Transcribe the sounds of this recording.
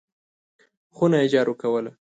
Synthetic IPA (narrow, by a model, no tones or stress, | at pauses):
xunajed͡ʒɑɾukawəla